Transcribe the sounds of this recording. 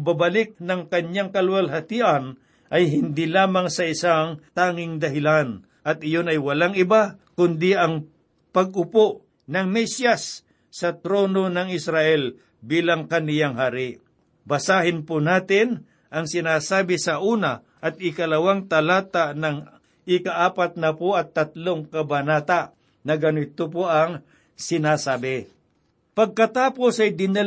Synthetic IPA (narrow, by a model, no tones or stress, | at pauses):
babɐlɪk̚nɐŋkɐɲɲaŋkɐlwɐlɦɐt̪iʔɐn | ʔɐjɦɪnd̪ɪlaːmɐŋsɐɪsaŋt̪aːŋɪŋd̪ɐɦɪlan | ʔɐt̪̚ʔɪjonɐjwɐlaŋɪbakʊnd̪ɪʔɐŋ | pɐɡ̚ʊpoʔ | nɐŋmɛsjasː | ɐt̪ɾoːno̞nɐŋɪsɾaʔɛl | biːlaŋkɐnɪjaŋɦaːɾɪ | bɐsaːɦɪnpʊnaːt̪ɪn | ʔɐŋsɪnaːsaːbɪsɐʔuːna | ʔɐt̪̚ɪkɐlɐwaŋt̪ɐlaːt̪anɐŋ | ɪkaʔaːpat̪̚nɐpoɐt̪ːɐt̪loŋkɐbɐnaːt̪aʔ | nɐɡɐnɪt̪opoʔɐŋ | sɪnaːsaːbɪ | pɐɡ̚kɐt̪aːpo̞sɐjd̪ɪnɐl